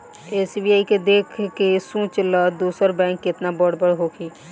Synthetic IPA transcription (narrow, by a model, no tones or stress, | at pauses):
eːsibiaːiked̪eːkʰkesũːt͡ʃləd̪oːsəɾbɛ̃ːŋkːɪt̪nabəɽbəɽɦoːkʰiː